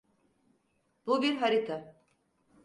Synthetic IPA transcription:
bubiɾɦaɾit̪ʰa

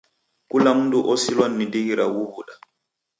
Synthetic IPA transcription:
kulamduʔɔsilwanːidiɡiɾa̰wuhuɗa

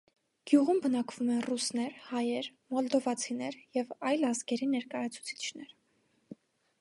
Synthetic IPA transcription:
ɡ̥juʁumbənɑkv̥umɛnrusnɛɾhɑjɛɾmɔld̪ɔvɑt͡sʰinɛɾjɛvɑjlɑzɡɛɾinɛɾkɑjɑt͡sʰu̥t͡sʰi̥t͡ʃʰnɛɾ

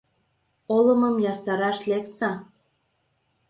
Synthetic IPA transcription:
olɤmɤmjɑsɑɾɑʃleksɑ

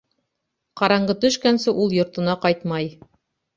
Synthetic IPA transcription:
qɑɾɑɴɢɤt̪ɵ̆ʃkænsɘʔulˠjŏɾt̪ɤ̆nɑqɑjt̪mɑj

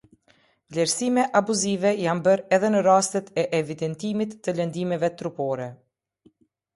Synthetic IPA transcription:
vlɛɾsimɛʔabuzivɛjanbəɾɛðɛnəɾast̪ət̪ɛʔɛvid̪ɛnt̪imit̪ːələnd̪imɛvɛt̪ɾupɔɾɛ

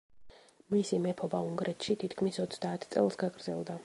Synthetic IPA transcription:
misimɛpʰɔbauŋɡɾʔɛt̪ʰʃit̪ʰit̪ʰkʰmisɔt̪sʰd̪aːt̪ʰt̪sʼɛ̰lˠsɡaɡɾd̪zɛlˠd̪a

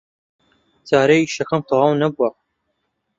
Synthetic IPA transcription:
t͡sʰaːɾejʃɐxɐmt̪ʰɑwɑːwnɐbua

